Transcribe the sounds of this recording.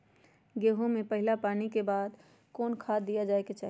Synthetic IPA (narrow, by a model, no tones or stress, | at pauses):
ɡeːɦõmẽpəɦɪlapaːnikebaːd̪ | kɔːnkʰaːd̪d̪ijad͡ʒaːeket͡ʃaːɦ